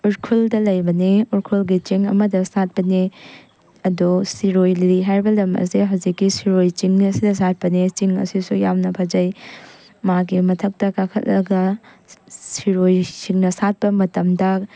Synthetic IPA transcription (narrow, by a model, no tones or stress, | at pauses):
uɾkʰuldɐlɐjbɐniuɾkʰulɡit͡ʃiŋɐ̰mɐdɐsat̚pɐni | ɐdusiɾojliiɦaɾbɐlɐmɐ̰siɦɐwzikːisiɾojt͡ʃiŋniɐsidɐsat̚pɐnit͡ʃiŋɐ̰sisujamnɐpʰad͡ʒɐj | maɡimɐtʰɐk̚tɐkakʰɐ̰t̚lɐɡɐ | siɾojt͡ʃiŋnɐsat̚pɐmɐtɐmdɐ